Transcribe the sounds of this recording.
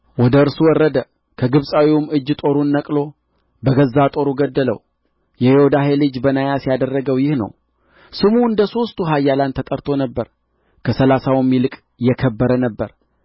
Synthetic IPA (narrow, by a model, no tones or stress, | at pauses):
wɔd̪əɨɾsuwɔrːəd̪ə | kʰəɡɨβsʼawiwumɨd͡ʒːt̪ʼo̞ɾunːəkʼlo̞ | bəɡəzːat̪ʼo̞ɾuɡəd̪ːələ̰w | jɛhehod̪aɦelɨd͡ʒbənajasijad̪ərːəɡəwjɪhnə̰w | sɨmuɨnd̪əso̞st̪ʰuɦajːalant̪ʰət̪ʼəɾt̪ʰo̞nəbːəɾ | kʰəsəlasawmːilɨkʼ | jɛkʰəbːəɾənəbːə̰ɾ